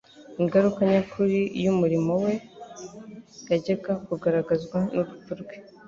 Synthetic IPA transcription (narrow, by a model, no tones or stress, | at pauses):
iŋɡaɾukaɲakuɾijumuɾimo̞we̞ | ɡaɟeɡakuɡaɾaɡazɡwanuβufuɾɡwe̥